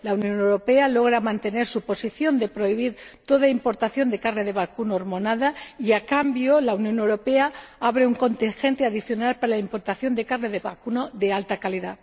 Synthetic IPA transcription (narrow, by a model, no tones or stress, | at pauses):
launjõ̞newɾo̞pe̞alo̞ɣ̞ɾamãnt̪e̞ne̞ɾsupo̞siθjo̞nd̪e̞pɾo̞iβ̞iɾt̪o̞ðaimpo̞ɾt̪aθjo̞nd̪e̞karneð̞e̞βakunoːɾmo̞naðaiakambjo̞launjo̞newɾo̞peaaβɾe̞uŋko̞nt̪iŋxe̞nt̪eaðiθjo̞nalpaɾalaimpo̞ɾt̪aθjo̞nd̪e̞karneðe̞βa̰kunoðealt̪akaliða